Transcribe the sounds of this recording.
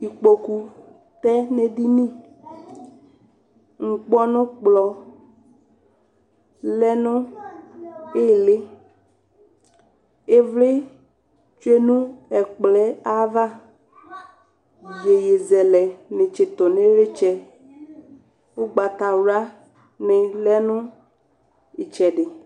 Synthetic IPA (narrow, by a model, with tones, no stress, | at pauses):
i˨k͡po˨ku˨ | t̪ɛ˦ne˨di˦nĩ˦ | ŋ̩˨k͡pɔ˦nʊ̃˦k͡plɔ˨ | lɛ˦nʊ̃˦ | e˦le˦ | e˦vle˦ | t͡ʃu˦e˦nũ˦ɛ˨k͡plɛ˦a˦va˦ | je˨je˨zɛ˨lɛ˨nẽ˨t͡ʃe˨t̪o˨nẽ˦ɾe˦t͡ʃɛ˦ | wo˦ɡ͡ba˨t̪a˨wɾa˦ | nẽ˨lɛ˦nũ˦ | e˨t͡ʃɛ˨ɖe˨